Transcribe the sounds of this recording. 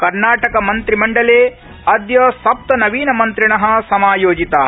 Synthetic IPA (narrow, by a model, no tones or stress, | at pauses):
kɐɾnaːʈɐkɐmɐnt̪ɾimɐɳɖɐleː | ɐd̪jɐsɐp̚t̪ɐnɐʋiːnɐmɐnt̪ɾiɳɐɦɐ̆sɐmaːjoːd͡ʒit̪aː